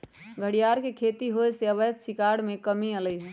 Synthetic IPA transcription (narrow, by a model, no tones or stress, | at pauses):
ɡʱəɽijaɾkekʰet̪iɦoeseəbət̪sikaɽmẽkəmiələjɦɛ̃